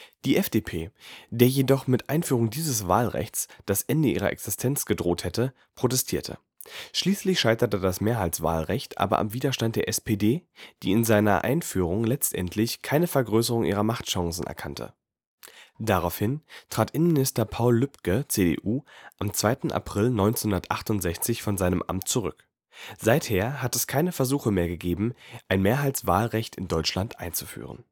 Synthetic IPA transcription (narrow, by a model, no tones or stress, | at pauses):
d̥iːʔɛfd̥epʰeːd̥eːɐjedɔχmɪtʔaɪnfyːʁ̞ʊŋdiːzəsvaːlʁɛ̰çt͡sd̥asʔɛndəʔiːʁ̞ɐ̰ʔɛ̰ksɪstʰɛnt͡sɡ̥ədʁoːthɛtə | pʁ̥otɛstʰiːɐtʰə̰ | ʃliːslɪçʃaɪtɐtədasmeːɐɦaɪt͡sv̥a̰ːlʁɛçtʔa̰ːbɐ̰ʔa̰mviːdɐʃtant̚d̥eːɐʔɛspedeːd̥ḭːɪnzaɪnɐ̰ʔa̰ɪnfyːʁ̞ʊŋlɛt͡stʔɛ̰ntʰlɪçkʰaɪnəfɛɐɡʁøːsəʁʊŋʔḭːʁɐmaχtʃaŋsn̩ʔɛ̰ɐkʰantʰə̰ | d̥aʁaʊfhɪntʁ̥aːtʔɪnənmɪnɪstɐpʰaʊlːʏpkət͡sedḛʔuːʔamt͡sv̥aɪtn̩ʔa̰pʁ̥ɪlnɔʏnt͡senhʊndɐtʔaχtʊntz̥ɛçt͡sɪçfɔnzaɪnəmʔa̰mtt͡suʁʏk | z̥aɪtheːɐɦatɛskʰaɪnəfɛɐzuːxəmeːɐɡəɡeːbm̩ʔaɪnmeːɐɦaɪt͡sv̥a̰ːlʁɛçtɪndɔʏt͡ʃlantʔa̰ɪnt͡su̥fy̰ːʁ̞ə̰n